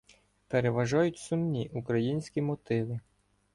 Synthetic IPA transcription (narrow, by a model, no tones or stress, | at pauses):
peɾeʋɐʒɑjʊtʲsʊmnʲiʔukɾɐjinʲsʲkʲimɔt̪ɪʋɪ